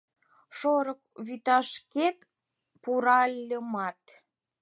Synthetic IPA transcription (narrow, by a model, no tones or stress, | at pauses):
ʃoɾək̚βyt̪ɑʃket̪ | puɾɑlʲːəmɑt̪